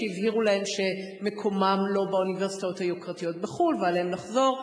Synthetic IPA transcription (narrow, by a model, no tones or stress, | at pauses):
ivhiʁulahe̞mʃe̞ | mekʰo̞mamlo̞bauniveʁsitajothajukʁatijo̞t̚beχulvealeemnaχzo̞ʁ